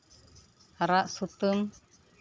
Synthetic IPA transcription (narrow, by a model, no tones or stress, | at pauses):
aɾaʔsut̪əm